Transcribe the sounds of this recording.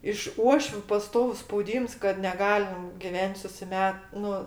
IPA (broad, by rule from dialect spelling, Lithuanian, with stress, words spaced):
ɪʃ ˈuɔʃʲʋʲʊ pɐˈstoːʋʊs spɐʊˈdʲiːms kɐt nʲɛˈɡɑːlʲɪm ɡʲɪˈʋʲɛnʲtʲ sʊsʲɪˈmʲɛt ˈnʊ